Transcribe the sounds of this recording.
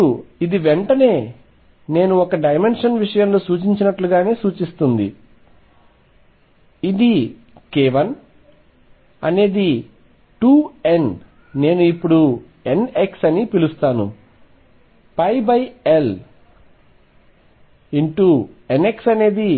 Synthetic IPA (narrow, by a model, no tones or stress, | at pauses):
uid̪iʋeɳʈɐne̞ː | ne̞ːnuɔkɐɖɐjme̞nʂɐnʋiʂɐjɐmlo̞ːsuːt͡ʃiɲt͡ʃinɐʈluɡaːne̞ːsuːt͡ʃist̪und̪ḭ | id̪i | keːʋɐn | ɐ̰ne̞ːd̪i | ʈuːen | ne̞ːnuipːuɽu | e̞ne̞ksɐnipilust̪aːnṵ | pɐjbɐje̞l | iɳʈue̞ne̞ksɐne̞ːd̪i